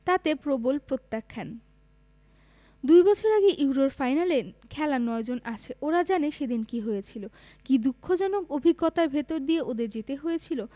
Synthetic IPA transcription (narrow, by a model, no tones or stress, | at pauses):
t̪at̪epɾobolpɾot̪ːakʰːan | d̪ujbɔt͡ɕʰoɾaɡeʔuwɾoɾfajnalekʰɛlanɔed͡ʑonʔat͡ɕʰeʔoɾad͡ʑaneʃed̪inkiɦojet͡ɕʰilo | kid̪ukʰːod͡ʑɔnokobʱiɡːɔt̪aɾbʱet̪oɾd̪ieʔod̪eɾd͡ʑet̪eɦojet͡ɕʰilo